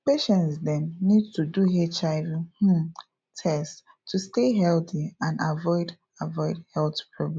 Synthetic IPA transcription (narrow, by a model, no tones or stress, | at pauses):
peʃɛ̃ntsdɛ̃nːidtuduɦet͡ʃaɪvih̩ | tʰɛst | tʰːusteɦɛlθiãnavɔɪd | avɔɪdhɛltpʰɹɔɡlɛ̃